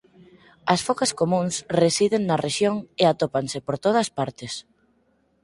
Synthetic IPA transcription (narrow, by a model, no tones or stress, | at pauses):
ɐsfokɐskomũŋsresiðeŋnɐreʃjoŋeat̪opaŋsɪpoɾt̪oð̞ɐspaɾt̪ɪs